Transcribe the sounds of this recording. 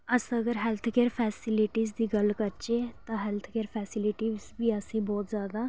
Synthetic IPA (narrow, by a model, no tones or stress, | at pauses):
əsəɡəɾɦɛlt̪ʰkeːɾpʰɛːsɪlɪʈiːzd̪iːɡəlkəɾt͡ʃeːt̪ãːɦɛlt̪ʰkeːɾpʰɛːsɪlɪʈiːzbiːəsĩːbɔːt̪zjaːd̪aː